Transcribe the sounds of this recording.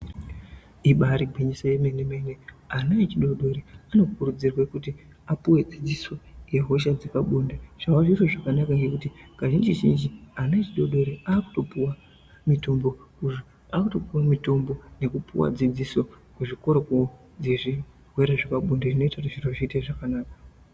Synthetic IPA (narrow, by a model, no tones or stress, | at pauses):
iɓaɾiɡʱweɲisajemeneme̞neanaet͡ʃiɗo̞ɗo̞ɾeano̞kurud͡zirwekuti | apuwe̞d͡zid͡ziso̞je̞ɦo̞ʃ̬ad͡zekaɓundaʐ̥awaʐiroʐakanakaŋɡe̞kutikaʒind͡ʒiʒind͡ʒianaet͡ʃiɗo̞ɗoɾeaːku̥to̞puwa | mito̞mbo̞kuʐo | aːkuto̞puwamito̞mbo̞ne̞kupṵwa̰d͡zid͡ziso̞ | kweʐiko̞ɾoko | d͡zeʐi | weɾaʐakaɓundeʐino̞itariʐiroʐiteʐakanaːkḁ